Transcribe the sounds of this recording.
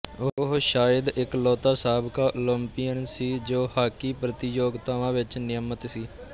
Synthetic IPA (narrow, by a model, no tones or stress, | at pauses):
ʊɦʃaːjəd̪ɪklɔːt̪aːsaːbkaːʔʊləmpijənsiːd͡ʒoːhaːkiːpɾət̪ɪd͡ʒoːɡt̪aʋãːʋɪt͡ʃnɪjəmət̪siː